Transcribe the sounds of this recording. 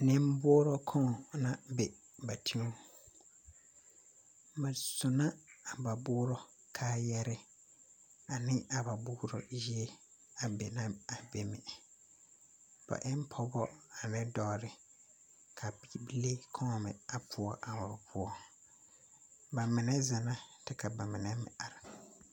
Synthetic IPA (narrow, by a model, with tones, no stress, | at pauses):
nɪ̃˦m˦bʊː˦ɾɔ˦kʰɔ˦ŋ˨na˦˨be˨ | ba˨tʰi˦o˦ | ba˨sʊ˨na˦a˨ba˨bʊː˦ɾɔ˦ | kʰaː˦jɛ˦ɾɪ˦ | a˨nɪ˦a˨ba˨bʊ˦ɾɔ̰˨ji˦e˦ | a˨be˨na˦a˨be˨mɪ̰˨ | b̥a̰˨ʔɪ˦m˦pʰɔ˦bɔ˦a˨nɪ˦dɔ˦˨ɾɪ˨ | kʰa˨bi˨bi˦le˦kʰɔ˦ŋɔ˨mɪ̰˨a˨pʰʊ˨ɔ˦ʔa˨ba˨pʊ˦ɔ˦ | ba˨mɪ˨nɛ˦za˨na˦tɪ˦ka˨ba˨mɪ˨nɛ˦mɪ̰˨ʔa˨ɾa˨